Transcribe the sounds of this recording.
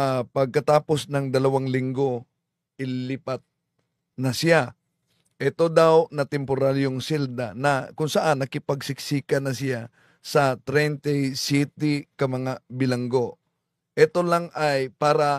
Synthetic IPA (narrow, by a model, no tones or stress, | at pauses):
pɐɡ̚kɐt̪aːpo̞snɐŋd̪ɐlɐwaŋlɪŋɡo | ʔɪlɪpat̪̚ | nɐsɪja | ʔɛt̪o̞d̪awnɐt̪ɛmpoɾaɾjoŋsɛld̪anɐkʊŋsɐʔanːɐkɪpɐɡsɪksiːkɐnɐsɪja | sɐt̪ɾɛnt̪ɛjsit̪ɪkɐmɐŋabɪlɐŋɡo̞ | ʔɛt̪o̞laŋʔajpaːɾɐ